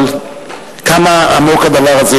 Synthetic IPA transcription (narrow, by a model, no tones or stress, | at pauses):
l | kamaa̰mo̞kad̪avaʁaze